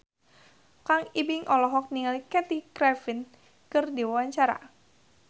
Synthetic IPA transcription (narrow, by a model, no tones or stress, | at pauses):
kaŋibɪŋʔɔlɔɦɔk̚niŋalikɛt̪ikɾɛfin | kɨrdiwawaɲt͡ʃaɾa̰